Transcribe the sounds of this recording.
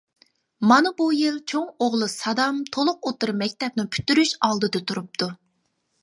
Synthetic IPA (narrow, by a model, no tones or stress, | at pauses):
mɑnɨbujilˠt͡ʃʰoŋoʁlˠɨsɑd̪ɑmt̪ʰolˠʊqot̪ɨɾmɛk̚ʲt̪ʰɛp̚nɪpʰy̥t̪yɾyʃɑlˠd̪ɨd̪ɨt̪ʰuɾup̚t̪ʰu